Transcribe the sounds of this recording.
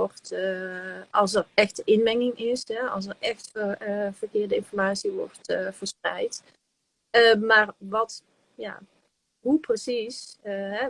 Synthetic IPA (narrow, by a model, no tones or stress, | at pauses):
ɔrtəɑlˠsətɛxtəʔɪnmɛŋɪŋɪsɦɛɑ̰lˠsərɛxtəv̥ərkɪːɹrdəɪnfɔɹmaːtsiʋɔ̰rtv̥əɹsprɛ̰jt | əmaːrʋɑt | ja̰ | ɦuprəsisəɦɛ